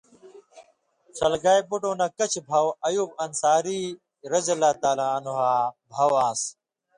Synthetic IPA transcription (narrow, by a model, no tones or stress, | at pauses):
sɐlɡaːjbuʈõːnɐkɐt͡ɕʰbʱɐwɐjuːb̚ɐnsaːɾiː | ɾɐzɐlaːt̪aːlãːnuɦaːbʱɐwaːs